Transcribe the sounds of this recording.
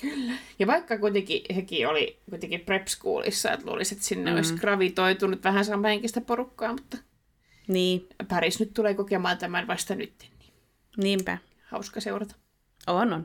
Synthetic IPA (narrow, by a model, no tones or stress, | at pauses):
kylːæjɑʋɑikːɑkuit̪ekihekiolikuit̪eŋkiprepskṵːlʔḭsːɑ̰ḛt̪lṵːliset̪sinːḛo̰iskrɑʋit̪oit̪unut̪ʋæhænsɑːmːɑheŋkist̪æporukːɑːmut̪ːɑ | niːpɑrisnyt̪t̪uleːkokemɑːnt̪æmænʋɑst̪ɑny̰t̪ːe̥nni̥ː | niːmpæ̰ | hɑ̰uskɑseurɑt̪ɑ̥ | onon